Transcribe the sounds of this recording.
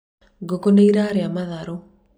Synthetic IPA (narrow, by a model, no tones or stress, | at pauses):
ɡokɔnaiɾaɾeamaðaɾɔ